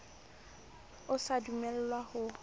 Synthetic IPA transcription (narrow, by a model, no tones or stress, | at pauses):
ʊsadumɛl̩lwahʊ